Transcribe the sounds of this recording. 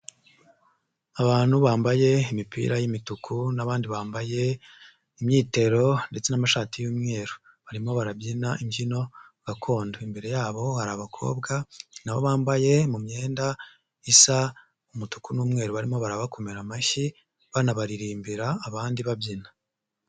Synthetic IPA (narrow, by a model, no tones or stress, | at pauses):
aβaːn̥huβaːmbaje̞imipḭːɾajimitukʰunaβaːndiβaːmbaje̞ | imɲiːte̞ɾo̞nde̞t͡se̞namaʃaːtijuːmŋe̞ːɾu̥ | βaɾimo̞βaɾabjinaʔiɲɟino̞ɡ̥akʰo̞ːndoimbe̞ɾejaːβo̞haɾaβakʰo̞̰ːbɡanaβoβaːmbaje̞mumɲe̞ːnda | isa | umutu̥kunuːmŋe̞ːɾuβaɾimo̞βaɾaβako̞meɾamaçi | βanaβaɾiɾiːmbiɾaːβaːndiβabjina